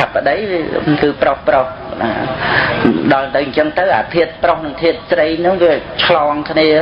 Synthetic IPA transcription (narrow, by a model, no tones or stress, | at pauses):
apːə̆ɗəjkɨːprohproh | na | ɗɑlt̪ɨwɲt͡ɕəŋt̪əwʔa̰ːp̪ʰiət̪̚prohnɨŋt̪ʰiət̪̚srəjnʊ̆ŋʋiət͡ɕʰlɑːŋkʰniə